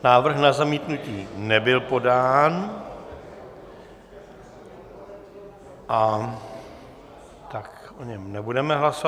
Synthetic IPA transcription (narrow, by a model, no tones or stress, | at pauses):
naːvr̩xnazamiːt̪nuciːnɛbɪlpo̞daːn | ʔa | t̪ak | ʔoɲɛmnɛbudɛmɛɦlaso